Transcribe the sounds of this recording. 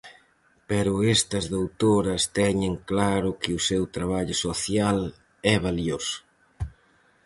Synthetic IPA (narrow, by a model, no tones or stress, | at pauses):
pɛɾʊɛst̪ɐzðowt̪oɾɐst̪ɛɲɪŋklaɾʊkɪʊsewt̪ɾaβ̞aʎʊsoθjal | ɛβaljosʊ̥